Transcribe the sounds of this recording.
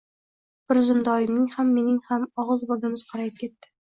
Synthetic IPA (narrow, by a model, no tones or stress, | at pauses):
b̥ɪɾzʊnd̪ɒjɪmnɪŋhamːe̞nɪŋhamɒʁɨzbɒɡɪmɪz̥qʰɑɾajɪp̚kʲʰe̞t̪ːɪ̥